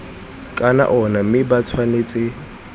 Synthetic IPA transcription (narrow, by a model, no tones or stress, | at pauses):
kʼana̰ʔɔnamɪbat͡sʰwaneːt͡sʼɪ